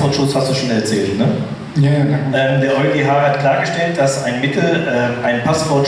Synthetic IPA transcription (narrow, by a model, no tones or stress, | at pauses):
ɔtʃʊshastd̥uːʃoːnɛɐt͡sɛːltnə | jaʔɛːmdeːɐʔɔʏɡeːɦaːhatkʰl̥aːɐɡəʃtɛlt̚d̥asʔaɪnmɪtl̩ʔɛːmʔaɪnpʰasfɔɐt